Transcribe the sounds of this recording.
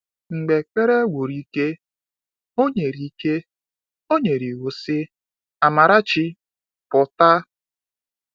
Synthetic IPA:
ŋ͡m̩˨ɡ͡be˨k͡pe˦ɾe˦ɡʷo˨ɾi˦ke˦ | o˦ɲe˨ɾi˦ke˦ | o˦ɲe˨ɾi˨ɣu˨sɪ˦ | a˨ma˨ɾa˦t͡ʃi˦ | pʊ˨ta˦

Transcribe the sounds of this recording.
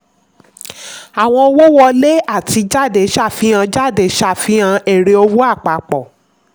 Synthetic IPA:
a˨w̃ɔ̃˧o˧wo˦wɔ˧le˦a˦˨ti˧d͡ʒa˦˨de˨˦ʃa˦˨fi˨˦ã˧d͡ʒa˦˨de˨ʃa˦˨fi˨˦ã˧e˦˨ɾe˨˧o˧wo˦a˦˨k͡pa˨k͡pɔ˨

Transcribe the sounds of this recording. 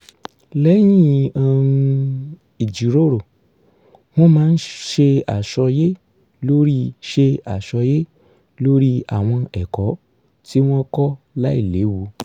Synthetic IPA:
lɛ˦j̃ĩ˦ã˧ | i˨d͡ʒi˨ɾo˦ɾo˨ | w̃ɔ̃˦mãː˦˧n̩˦ʃe˧a̰˨ʃɔ˧je˦ | lo˦ɾi˦ʃe˧a˨ʃɔ˧je˦ | lo˦ɾi˦a̰˦˨w̃ɔ̃˧ɛ˨kɔ˨˦ | ti˦w̃ɔ̃˦kɔ˦ | la˦ḭ˦˨le˨˦wu˧˦

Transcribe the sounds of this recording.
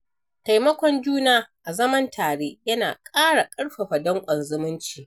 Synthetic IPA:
ta˨jmɐ˦kʷɔ˨nd͡ʒuː˦naː˦ʔa˨zɐ˦mɐ˦ntʰaː˨ɽeː˦jɐ˦na̰ː˨kʼaː˦ɽa˨kʼɐ˦ɽɸa˨ɸɐ˨dɐ˦ŋkʷʼɐ˨nzɪ˦mɪ˦nt͡ʃiː˨

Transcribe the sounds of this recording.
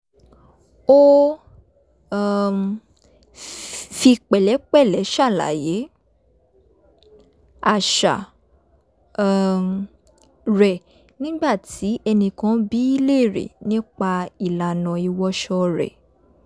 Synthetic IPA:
o˦˨ | fi˧k͡pɛ˨lɛ˨˦k͡pɛ˦˨lɛ˨˦ʃa˦˨la̰˨˦je˨˦ | a˨ʃa̰˨ | ɾɛ˨ | nĩ˦ɡ͡ba˦˨tʰi˨˦ɛ˧nĩ˧kã˦bi˦i˦le˦˨ɾḛ˨nĩ˦k͡pa˧i˨la˨nã˨i˧wɔ˧˦ʃɔ˧ɾɛ̰˨

